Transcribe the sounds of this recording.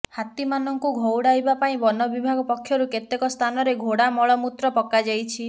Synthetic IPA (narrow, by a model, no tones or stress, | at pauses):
hat̪imanɔŋkuɡʱowɽajbapaĩbɔnɔbibʱaɡɔpɔkʰːjɔɾuket̪ekɔst̪ʰanɔɾeɡʱoɽamɔɭɔmut̪ɾɔpɔkad͡ʒajt͡ʃʰi